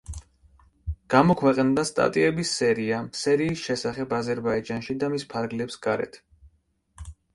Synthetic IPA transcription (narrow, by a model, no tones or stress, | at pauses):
ɡ̥amɔkʰwɛqʼnd̪ast̪ʼa̰t̪ʼiɛbisːɛɾiasɛɾiːsʃɛsaχɛbazɛɾbaid͡ʒanʃid̪amispʰaɾɡlɛpsɡ̥aɾɛ̰t̪ʰ